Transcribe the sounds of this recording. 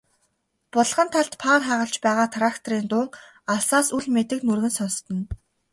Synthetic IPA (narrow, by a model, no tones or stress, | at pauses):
pʊɮʁə̆nt̪ʰaɬt̪pʰaːrχæːʁə̆ɬt͡ɕpæːʁaːt̪ʰrakt̪ʰriːnt̪ʊːŋ | asaːsuɮmet̪ɘ̆knurɣɘ̆nsɔnst̪ɞ̆n